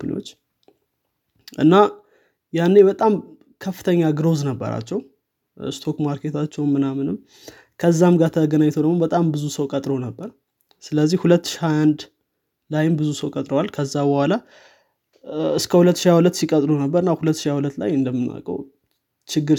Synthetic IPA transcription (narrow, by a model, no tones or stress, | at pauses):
ɨn̰o̰t͡ʃː | ʔɨ̰nːa | janːebət̪ʼam | kʰəfːɨt̪ʰəɲːaɡɾo̞znəbːə̰ɾa̰t͡ʃːɛw | st̪ʰo̞kmaɾke̞t̪ʰat͡ʃːɛwmːɨnamɨnɨm | kʰəzːamɡat̪ʰəɡənaɲːt̪ʰəwd̪əɡmobət̪ʼambɨzusəwkʼət̪ʼɾonəbːəɾ | sɨləzːihhulət̪ːɨ̥ʃihaand̪ | lajɪmbɨzusəwkʼət̪ʼɾəwalkʰəzːabəhala | ɨskʰəhulət̪ːʃiawulət̪ːsikʼət̪ʼɾunəbːəɾɨnːahulət̪ːʃijawulət̪ːla̰jɨnd̪əmːɨnːa̰kʼə̰w | t͡ʃʰɪɡːɨɾ